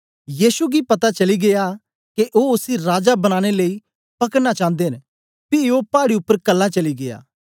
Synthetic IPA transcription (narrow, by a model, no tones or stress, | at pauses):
jiːsuɡipɐt̪at͡ʃɐliɡeja | keʔoːʊsiɾaːd͡ʒabɐñaːɽ̃eləːi | pɐkəɽnat͡ʃãːnd̪eɦn | pɪopaːɽiʊpːəɾkɐlːãt͡ʃɐliɡeja̰ː